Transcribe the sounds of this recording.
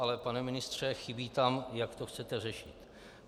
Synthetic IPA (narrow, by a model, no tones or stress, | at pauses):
alɛpanɛmɪnɪst̪r̝̥ɛxɪbiːt̪amjakt̪o̞xt͡sɛt̪ɛrɛʃɪt̪